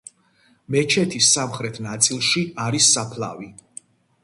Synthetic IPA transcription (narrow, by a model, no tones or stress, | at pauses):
mɛt͡ʃʰɛt̪ʰisːamχɾɛt̪ʰnat̪sʼilˠʃiaɾisːapʰlˠa̰vi